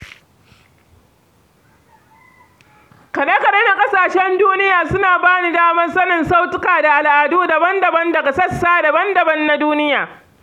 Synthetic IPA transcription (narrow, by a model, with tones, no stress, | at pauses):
kɐ˨ɗɐ˦kɐ˨ɗɐ˦na˨kʼɐ˦saː˨ʃɛ˦nduː˦nɪ˦jaː˨sʊ˦naː˨baː˦ni˦daː˦mɐ˦nsɐ˦nɪ˨nsa˦wtʊ˦kaː˨da˨ʔa˨lʔa˨duː˦da˨bɐ˦ndɐ˨bɐ˦ndɐ˨ɡa˨sɐ˦sːaː˦da˨bɐ˦ndɐ˨bɐ˦nːa˦duː˦nɪ˦jaː˨